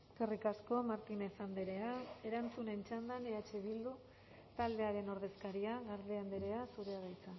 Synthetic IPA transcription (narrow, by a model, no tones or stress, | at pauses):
ekerikasko̞maɾt̪ine̞sand̪eɾe̞ae̞ɾant͡sune̞nt͡ʃand̪aneat͡ʃeβild̪u | t̪ald̪e̞aɾe̞no̞ɾðe̞skaɾiaɣaɾðeand̪eɾe̞asuɾe̞aɾajt͡sa